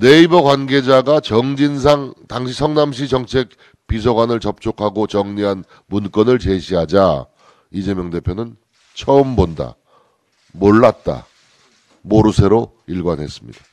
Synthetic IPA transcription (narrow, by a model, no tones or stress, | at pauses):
neibʌkwanɡe̞d͡ʑaɡat͡ɕʌŋd͡ʑinsʰaŋtaŋɕʰisʰʌŋnamɕ̬ʰit͡ɕʌŋt͡ɕʰe̞k̚ | pisʰʌɡwanɯɭt͡ɕʌp̚t͡ɕ͈okʰaɡot͡ɕʌŋɲiɦan | munk͈ʌnɯɭt͡ɕe̞ɕʰiɦad͡ʑa | id͡ʑe̞mjʌŋde̞pʰjonɯn | t͡ɕʰʌɯmbonda̰ | moɭːat̚t͈a̰ | moɾusʰe̞ɾo | iɭɡwanɦe̞s͈ɯmɲḭd̥a